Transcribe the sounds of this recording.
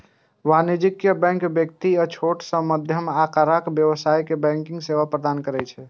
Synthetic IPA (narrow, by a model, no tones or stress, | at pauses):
ʋanid͡ʒikjəbɛ̃ŋkbjək̚t̪iət͡ʃʰoʈsə̃məd̪ʱjəmakaɾakbjəʋsajkebɛ̃ŋkĩŋɡseʋapɾəd̪ankəɾɛt͡ʃʰɛ